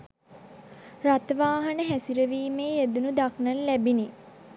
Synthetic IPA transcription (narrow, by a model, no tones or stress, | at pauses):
rat̪əʋaːɦɐnəɦæsiɾəʋiːmeːed̪unud̪aknənlæbini